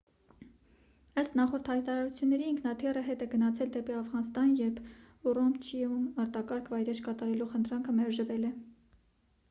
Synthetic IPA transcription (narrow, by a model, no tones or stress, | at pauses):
əst̪nɑχɔɾt̪ʰhɑjt̪ɑɾɑɾut͡sʰjunːɛɾiːŋkʰnɑt̪ʰirəɦɛt̪ɛɡənɑt͡sʰɛld̪ɛpiɑfʁɑnst̪ɑnjɛɾpʰ | urɔmt͡ʃʰiumɑɾt̪ɑkɑɾkʰvɑjɾɛt͡ʃkɑt̪ɑɾɛluχənt̪ʰɾɑŋkʰəmɛɾʒəvɛlɛ